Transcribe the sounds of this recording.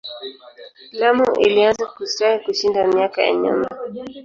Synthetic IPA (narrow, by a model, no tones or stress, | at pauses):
lamuʔḭlianzakustahikuʃindamiakaja̰ɲa̰ma